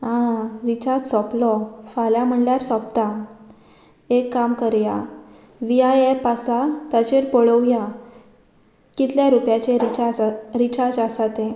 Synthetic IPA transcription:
ɦãɾit͡ɕad͡zsɔplɔfaljam̤əɳljaɾsɔp̚t̪a | ekːamkəɾja | ʋiajepasat̪at͡ɕeɾpɔɭəʋja | kit̪ljaɾupjat͡ɕeɾiaɾit͡ɕad͡zasat̪ẽ

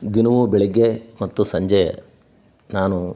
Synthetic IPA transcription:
d̪inɐʋubɛɭiɡːemɐt̪ːusɐɲd͡ʒej̰ | naːnu

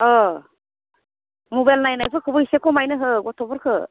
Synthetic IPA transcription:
ɔ | mɔbajlnajnajpʰɯkʰɯbɯisekʰɔmajnɯɦɯɡɔtʰɔbɔɾkʰɯ

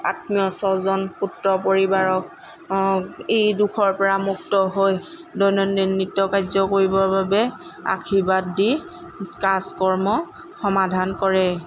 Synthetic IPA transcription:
a̰tmijɔsɔzɔnputɹɔpoɹibaɹɔk̚ | ejdukʰɔɹpɔɹamuk̚tɔɦoj | dɔnɔnːenːitːɔkajzɔkoɹibɔɹbabɛ | a̰kʰibatdi | kaskɔɹmɔ | xɔmadʱankɔɹɛ

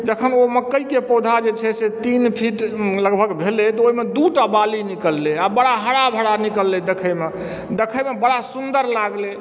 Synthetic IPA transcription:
d͡ʒəkʰənoməkːəikepod̪ʱad͡ʒet͡ʃʰɛset̪inpʰiʈləɡbʱəɡbʱelet̪ɔoɦimed̪uʈabalinikəlːeabəɽaɦəɽabʱəɽanikəlːed̪ekʰəme | d̪ekʰəjmebəɽasund̪əɾlaɡle

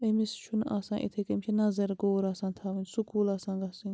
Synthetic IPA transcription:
emist͡ʃʰuna̰sãːnʔḭt̪ʰekemʲt͡ʃʰinɐzɐɾɡoːɾaːsaːnt̪ʰaːʋɐnsukuːlasãːnɡɐsinʲ

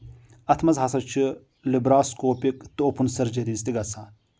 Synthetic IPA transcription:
ɐt̪ʰmɐzɦɐsɐt͡ʃʰɨ | libɾaːskoːpikt̪ɨopunsɐɾd͡ʒɐɾiːst̪iɡɐsaː

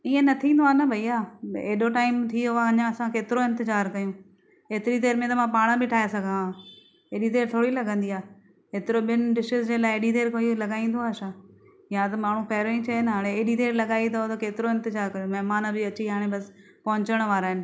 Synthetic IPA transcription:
iːẽnɐt̪ʰĩːnd̪oaːnɐbʱɐiaːḛːɗoʈaːɪmt̪ʰiʊaɐɲãɐsãkeːt̪ɪɾoɪ̃nt̪ɪzaːɾkɐjũː | eːt̪ɪɾit̪̬eːɾmẽt̪ɐmãpaːɽ̃ãbɪʈʰaːɦesɐɡʱãa | eːɗit̪eːɾt̪ʰoːɽilɐɡʱə̃nd̪iaː | eːt̪ɪɾoɓɪnɪ̆ɖɪʃɪzd͡ʑeːlaːɪeːɗit̪eːɾkoilɐɠaːĩːnd̪oaːʃãː | jãt̪ɐmaːɳ̤ũpɐɦɾoĩt͡ɕɐenɦaːɽ̃eeːɗit̪eːɾlɐɠaːit̪ʰɐot̪ɐkeːt̪ɪɾoɪ̃nt̪ɪzaːɾkɐjõmɐɦɪmaːnbɪɐt͡ɕiɦaːɽ̃ẽbɐs | pɐɦʊ̃ɲt͡ɕəɽ̃ʋaːɾaːɦɪnɪ̆

